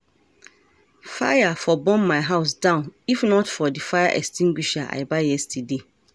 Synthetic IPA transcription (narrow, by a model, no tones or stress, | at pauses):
fa̰jafɔbɔ̃nmaɪɦaʊsdãʊ̃nifnɔtfɔdifaɪjaʔɛkstʰĩŋɡwiʃaʔa̰ɪbajɛstide